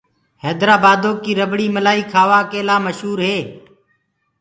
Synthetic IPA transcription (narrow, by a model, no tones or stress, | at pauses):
hɛːd̪ɾaːbaːd̪oːkiːɾəbɽiːməlaːiːkʰaːʋaːkeːlaːməʃɦuːɾɦeː